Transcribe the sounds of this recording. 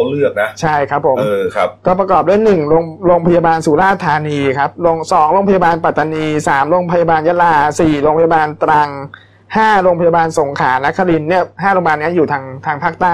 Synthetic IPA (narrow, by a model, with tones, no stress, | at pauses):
lɯ˥˩ək̚na˦˥t͡ɕʰa˥˩jkʰɾa˦˥pʰːo˩˦mɤː˧a˦˥kɔː˥˩pɾa˧kɔː˨˩p̚du˥˩˨jnɯ˨˩ŋɾoː˧ŋɾoː˧ŋpʰa˧jaː˧baː˧nsuː˩˦laː˥˩sa˧t̪ʰaː˧niː˧kʰa˦˥p̚ɾoː˧ŋsɔː˩˦ŋɾoː˧ŋpʰa˧jaː˧baː˧npa˨˩t̪ʰːa˧niː˧saː˩˦mɾoː˧ŋpʰa˧ja˧baː˧nja˦˥laː˧siː˨˩ɾoː˧ŋpʰa˧ja˧baː˧nt̪ɾa˧ŋ | haː˥˩ɾoː˧ŋpʰjaː˧baː˧nso˩˦ŋkʰaː˩˦na˦˥kʰːa˧li˧nːi˥˩ɐɦaː˥˩ɾo˧ŋpa˧aː˧nːi˦˥˨juː˨˩t̪ʰaː˧ŋt̪ʰaː˧ŋpʰaː˥˩k̚t̪aː˥˩j